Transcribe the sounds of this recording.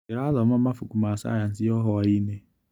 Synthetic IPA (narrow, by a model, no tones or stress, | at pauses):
eɾalɔmamafʊkumasa̰jan̩sɪjɔɦɔaine